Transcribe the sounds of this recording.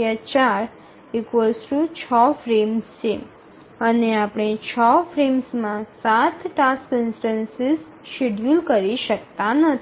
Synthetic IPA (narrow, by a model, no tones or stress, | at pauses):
at͡ʃaɾ | ɪkʋəlsʈut͡ʃʰɔfɾemst͡ʃʰe | əneapɽ̃et͡ʃʰəfɾemsmãsat̪ʰʈaskɪnsʈənsɪz | ʃeɖjulkəɾiʃək̚t̪ãnət̪ʰ